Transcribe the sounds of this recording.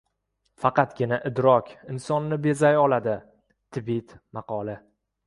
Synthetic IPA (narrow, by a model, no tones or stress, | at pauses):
fɑqɑt̪ɡʲɪnaʔɪd̪ɾɒkʲʰɪnsɒnːɪbe̞zajɒlad̪ɪ | t̪ʰɪbit̪mɑqʰɒlɪ